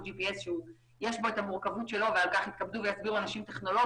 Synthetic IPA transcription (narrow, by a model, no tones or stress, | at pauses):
d͡ʒipiesʃeu | je̞ʃbo̞et̪amuʁkavut̪ʃe̞lo̞vealkaχit̪kabd̪uvejasbiʁuanaʃimt̪e̞χno̞lo̞